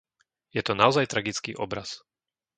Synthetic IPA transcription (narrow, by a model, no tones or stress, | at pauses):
jɛt̪ɔnaɔzajt̪ɾaɡit͡skḭːʔɔbɾas